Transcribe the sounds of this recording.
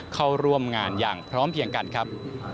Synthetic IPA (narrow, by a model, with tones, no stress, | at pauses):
kʰa˧˩wɾu˧əmŋaː˧njaː˨˩ŋpʰɾɔː˦˥mpʰi˧əŋka˧nkʰɾa˦˥p̚